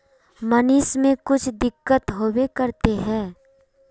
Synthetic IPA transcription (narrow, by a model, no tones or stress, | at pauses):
mənɪsmẽkʊt͡ʃʰd̪ɪkːət̪ɦoːwekəɾt̪eɦɛ̃ː